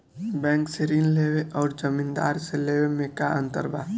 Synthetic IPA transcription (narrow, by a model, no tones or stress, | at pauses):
bɛ̃ːŋkseɾiːnleːweʔɔːɾd͡ʒəmĩnd̪a̰ːɾseleːwemẽkaə̃nt̪ə̰ɾba̰ː